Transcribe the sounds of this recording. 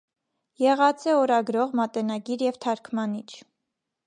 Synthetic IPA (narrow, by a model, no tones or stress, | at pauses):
jɛʁɑt͡sɛɔɾɑɡɾɔʁmɑt̪ɛnɑɡiɾjɛvt̪ʰɑɾkʰmɑnit͡ʃʰ